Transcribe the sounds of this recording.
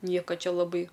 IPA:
ˈnʲiɛkɐ ˈt͡ʃʲɛ lˠɐˈbɐɪ

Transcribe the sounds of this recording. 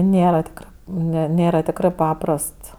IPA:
ˈnʲeːrɐ tʲɪkˈrɜ nʲɛ ˈnʲeːrɐ tʲɪkˈrɜ ˈpɑːprɐst

